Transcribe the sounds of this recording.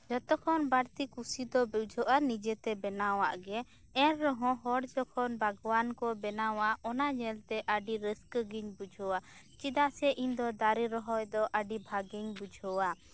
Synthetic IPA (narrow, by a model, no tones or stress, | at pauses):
d͡ʒɔt̪ɔkʰɔnbaɾt̪ikusid̪ɔbiwd͡ʒʱɔʔanid͡ʒɛt̪ɛbɛnawaʔɡɛ | ɛɾɾɔɦɔ̃ɦɔɽd͡ʒɔkʰɔnbʱaɡwankɔbɛnawaɔnaɲɛlt̪ɛʔaɖiɾəskɡiɲbud͡ʒʱɔwat͡ʃid̪asɛʔiɲd̪ɔd̪aɾiɾɔɦɔjd̪ɔʔaɖibʱaɡiɲbud͡ʒʱɔwa